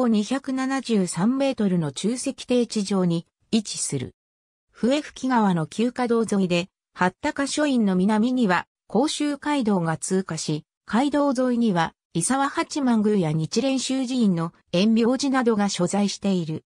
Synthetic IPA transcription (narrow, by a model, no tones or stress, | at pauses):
oɲ̟içakɯ̟nanaʑɨːsãmːe̞ːt̪o̞ɾɯ̟no̞t͡ɕɨːse̞kʲi̥t̪e̞ːt͡ɕiʑo̞ːɲ̟i | it͡ɕi̥sɨɾɯ̰ | ɸɯ̟e̞ɸɯ̟̥kʲiɡaβano̞kʲɨːkad̪o̞ːzo̞id̪e̞ | hat̪ːakaɕo̞ĩnːo̞mʲinamʲiɲ̟iβa | ko̞ːɕɨːkaid̪o̞ːɡat͡sɨːkaɕi | kʰaid̪o̞ːzo̞iɲ̟iβa | isaβahat͡ɕimãŋɡɯ̟ːjaɲ̟it͡ɕiɾẽ̞ɰ̃ɕɨːʑiĩnːo̞ | ẽ̞mbʲjo̞ːʑinad̪o̞ɡaɕo̞zaiɕi̥t̪e̞iɾɯ̟